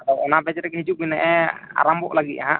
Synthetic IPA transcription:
ɔɔnabɛd͡ʒɾɛkɛɦid͡ʒuʔ̚binɛʔɛa̰ɾambɔ̰ʔlaɡit̪̚ʔaɦaʔ

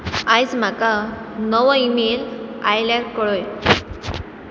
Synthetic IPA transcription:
ajd͡zm̤aka | nəʋəimelajlaɾkəɭoj

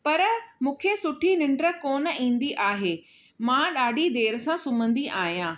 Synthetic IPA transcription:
pɐɾmũːkʰesʊʈʰinɪ̃ɳɖɾə̆koːnə̆ĩːn̆d̪iʔaːɦeː | mãɗaːɖʱid̪eːɾəsãsʊmə̃nd̪iʔaːɦijãː

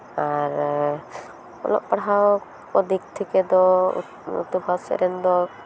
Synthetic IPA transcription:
aɾ | ɔ̰lɔ̰ʔpaɽɦao | ɔd̪ik̚t̪ʰikɛd̪ɔ̰ | ṵt̪ubʱasɛ̰ɾɛnd̪ɔ

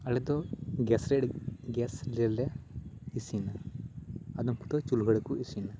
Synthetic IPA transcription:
ɐlɛd̪ɔɡɛsɾɛɽɡɛslɛlɛisina | ad̪ɔmkut̪ɔt͡ʃulɡʱəɽɛkuisina

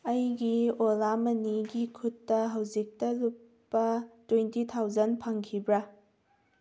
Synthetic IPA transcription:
ɐjɡiolamɐniɡikʰutːɐɦɐwzik̚tɐlupː | ɐtwentitʰawzɐnpʰaŋkʰibɾɐ

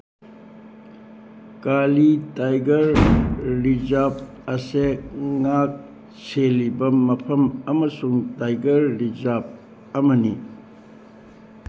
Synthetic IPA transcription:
kalitajɡɐɾː | izap̚ | ɐseŋak̚ | selːibɐmɐpʰɐmɐmɐsuŋtajɡɐɾːizap̚ | ɐmɐni

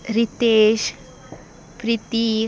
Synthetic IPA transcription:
ɾit̪eʃ | pɾit̪i

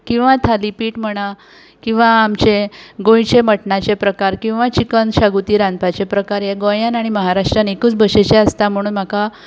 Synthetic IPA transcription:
kĩw̃ʋat̪ʰalipiːʈm̤əɽ̃a | kĩw̃ʋaːmt͡ɕeɡõjt͡ɕeməʈɳat͡ɕepɾəkaɾkĩw̃ʋat͡ɕikənɕaɡut̪iːɾanpat͡ɕepɾəkaɾjeɡojanaɽ̃iməɦaɾaʂʈɾanekuːt͡sbəɕet͡ɕeəst̪am̤əɽ̃uːnm̤aka

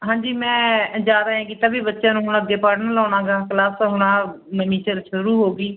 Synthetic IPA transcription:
ɦãːɲd͡ʒiːmɛ̃ːd͡ʒaːɾəãːkit̪aːbiːbətːʃãːnũːɦʊnəɡːeːpaɽnəlɔːnãːɡaːklaːsɦʊɽ̃ãː | məniːt͡ʃəɾʃʊɾuːɦoːɡiː

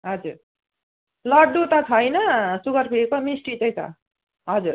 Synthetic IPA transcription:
ɦʌd͡zuɾ | lʌɽɖut̪ʌt͡sʰʌjnʌsuɡʌrpʰiekomisʈit͡sʌj̃t͡sʰʌ̰ | ɦʌd͡zuɾ

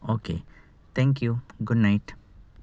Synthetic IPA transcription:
oːkḛ | t̪ʰɛ̃ŋk̬juɡʊɖnaɪʈ

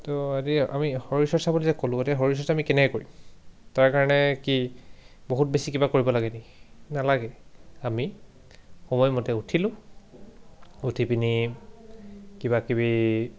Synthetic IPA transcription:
tɔatia̰mixɔɹisɔsabulizɛkolʊ̃atiɦɔɹis̬ɔsamikɛnɛkkoɹitaɹkaɹɔnɛki | boɦut̚besikibakoɹibɔlaɡɛniknalaɡɛami | xɔmɔjmɔtɛutʰilʊ̃ | utʰipini | kibakibi

